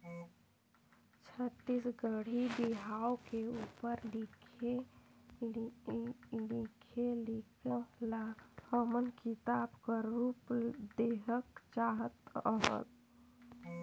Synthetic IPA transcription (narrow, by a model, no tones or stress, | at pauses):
t͡ʃʰət̪ːisɡəɽ̤ibiɦaokeupəɾlikʰe | likʰelikəlahəmənkit̪abkəɾupd̪eɦəkt͡ʃaɦət̪əɦə̰t̪